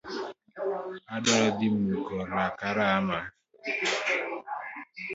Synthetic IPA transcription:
adɔdɪm̩ukɔnakaɾaama

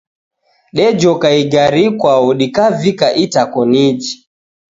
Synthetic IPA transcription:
ɗɛd͡ʒɔkaiɡaɾikwaɔɗikavikaʔitakɔnid͡ʒi

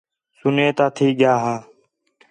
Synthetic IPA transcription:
sʊneːt̪aːt̪ʰiːɠɪjaːɦaː

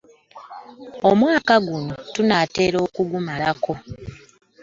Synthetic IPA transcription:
o̞mwaːkaɡuno̞tunaːte̞ːɾo̞ːkuɡumalakʰo̞

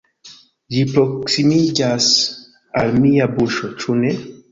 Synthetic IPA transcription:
d͡ʒipɾoksimid͡ʒas | almiabuʃot͡ʃune

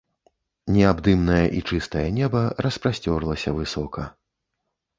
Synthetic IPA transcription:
nʲɛabd̪ɨmnɐjɐʔit͡ʂɨst̪ɐjɐnʲɛbɐɾɐspɾasʲt͡sʲɔrlˠɐsʲɐvɨsɔkɐ

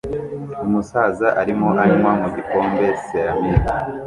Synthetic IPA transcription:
umusaːzaʔaɾimoʔaɾimwamoziko̞ːmbe̞seɾamiɡa

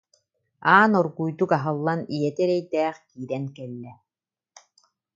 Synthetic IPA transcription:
aːnɔɾɡujd̪ukaɦɯlˠːanijɛt̪ɛɾɛjd̪ɛːχkiːɾɛnkɛlːɛ

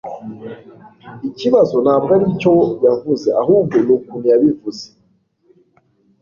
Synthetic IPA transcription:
iciβazonabɡaɾicojavuzeʔaɦuːb̚ɡonukunijaβivuze

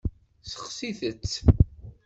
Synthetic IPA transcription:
sə̥χsiθət͡sː

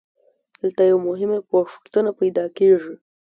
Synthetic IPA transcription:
d̪əlt̪ajawmʊɦɪmapoʂt̪ənapajd̪ɑkeʐi

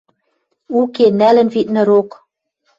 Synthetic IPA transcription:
ukenælɘ̆nvit̪̚nɘ̆ɾok

